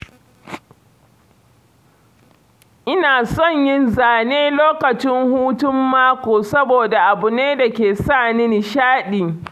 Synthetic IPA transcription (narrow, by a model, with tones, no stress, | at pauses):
ʔɪ˦naː˨sɔ˦˨ɲjɪ˦nzaː˨neː˦loː˦kɐ˨t͡ʃɪ˦ŋhuː˦tʊ˦mːaː˦kʷoː˨sɐ˦boː˨da˨ʔa˨bʊ˨neː˦da˨kʲeː˨saː˦˨nɪ˦n˨ʃaː˦ɗiː˨